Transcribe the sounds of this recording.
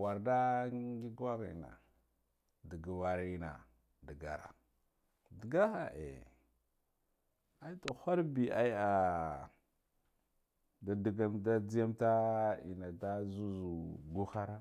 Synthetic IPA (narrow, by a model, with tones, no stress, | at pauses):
wa˨ɾda˦ɡi˦ɡwa˦ɣḭ˨na̰˨ | di˨ɡa˨wa˨ɾi˦na̰˨ | di˨ɡa˨ɾa̰˨ | di˨ɡa˦xa˨ʔḛ˨ | a˦i˦tu˨xa˦ɾbi˨ʔa˦i˦a˨ | da˨di˨ɡa˦mda˦d͡zi˦ja˦mta˦ḭ˨na˨da˦zu˦zu˨ɡu˦xa˦ɾa˦